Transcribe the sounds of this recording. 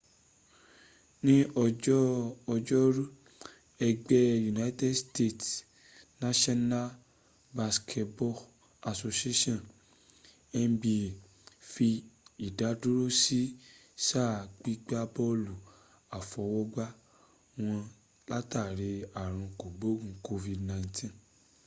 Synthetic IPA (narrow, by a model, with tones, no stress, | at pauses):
nĩ˦ɔ˧˦ | ɔ˧d͡ʒɔ˦ɾu˦ | ɛ˧ɡ͡bɛ˦ju˨na˦i˦tɛ˦dste˦˨t | nã˦ʃɔ˦na˦ | ba˧skʰɛ˧tbɔ˦ | a˧so˧si˦e˦ʃɔ̃˦˨ | ɛ˧n˦bi˧˨ | fi˧i˨da˨˦du˦ɾo˦si˦ | ʃa˦˨k͡pi˦ɡ͡ba˦bɔ˦lu˨ | a˨fɔ˧wɔ˦ɡ͡ba˦ | w̃ɔ̃˧ | la˦ta˦˨ɾe˧a˨ɾ̃ũ˧ko˨ɡ͡bo˦ɡũ˧ko˧vi˧dnã˧˨ĩ˧˦tʰĩ˦